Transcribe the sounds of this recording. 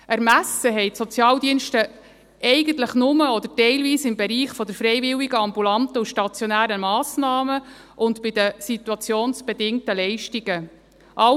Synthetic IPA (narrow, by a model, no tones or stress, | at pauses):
ʔæɾmæsəɦɛɪtsɔt͡sjɑːldiənʃtə | ʔɛɪɡ̥ənt̪ləχnʊməɔd̪əɾtɛɪlviːsɪmbɛɾiːχfɔd̪əɾfɾɛɪvɪwiɡəɑmbulɑntəuʃtɑt͡sjɔnæːɾəmɑːsnɑːmə | ʔʊntb̥ɪd̪əsit̪uɑt͡sjoːnsb̥ɛdɪŋtəlɛɪʃtiɡə | ʔɑ